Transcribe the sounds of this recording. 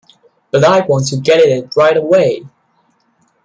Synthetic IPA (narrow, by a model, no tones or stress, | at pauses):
b̥ʌɾaɪwɑ̃ntʰɨɡɛɾɪɾɪt̚ɹaɪɾəweɪ